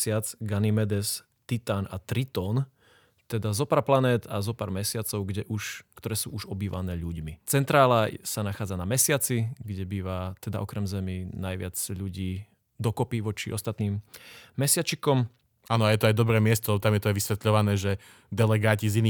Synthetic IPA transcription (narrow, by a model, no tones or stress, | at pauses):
sɪad͡zɡanimɛd̪ɛs | t̪it̪anat̪ɾit̪ɔːn | t̪ɛd̪azɔpaːɾplanɛːd̪azɔpaːɾmɛsɪat͡sɔʊɡɟɛʔuʃkt̪ɔɾɛːsṵːʔuʒɔbiːʋa̰nɛːʎuɟmit͡sɛnt̪ɾaːlasanaxaːd͡zanamɛsɪat͡siɡɟɛbiːʋat̪ɛd̪a̰ʔɔkɾɛmzɛminajʋɪad͡zʎuɟiː | d̪ɔkɔpiʋɔt͡ʃiʔɔst̪at̪niːmːɛsɪat͡ʃikɔm | anɔajɛt̪ɔajd̪ɔbɾɛːmɪɛst̪ɔlɛbɔt̪amjɛt̪ɔajʋisʋɛt̪ʎɔʋanɛːʒɛ | d̪ɛlɛɡaːcizini